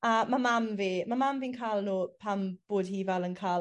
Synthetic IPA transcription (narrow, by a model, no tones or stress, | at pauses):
amamamviːmamamviːnkʰaːlˠnuːpʰamb̥oːd̥hiːvɛlənkʰaː